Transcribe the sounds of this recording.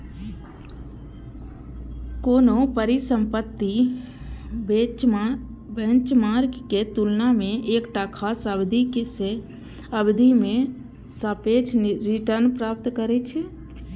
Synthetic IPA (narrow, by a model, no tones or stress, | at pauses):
konopəɾisə̃mpət̪ːi | bẽnt͡ʃmaɾkket̪ulnamẽʔekʈakʰasəbd̪ʱikese | əbd̪ʱime | səpet͡ʃʰɾiʈəɾnpɾap̚t̪kəɾɛt͡ʃʰɛ